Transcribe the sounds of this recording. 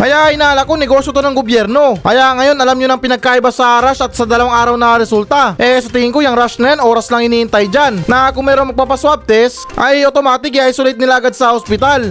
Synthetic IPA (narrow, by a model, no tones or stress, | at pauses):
kɐjaʔɐjnaːlɐkoŋnɛɡo̞ːsjot̪onɐŋɡobjɛɾno̞kɐjaʔŋɐjo̞nɐlamɲonɐŋpɪnɐɡ̚kaːʔɪbasɐʔaːɾaʃɐt̪̚sɐd̪ɐlɐwaŋʔaːɾɐwnɐɾɛsult̪ɐʔɛsɐt̪ihɪŋkojɐŋɾaʃnɐjanʔo̞ːɾɐslɐŋhɪniːɪnt̪ajd͡ʒanːɐkʊŋmɛːɾoŋmɐɡ̚papɐswab̚t̪ɛs | ʔɐjot̪o̞maːt̪ɪk̬ʔɐjsulɪt̪nɪlaʔɐɡad̪̚sɐhospɪt̪al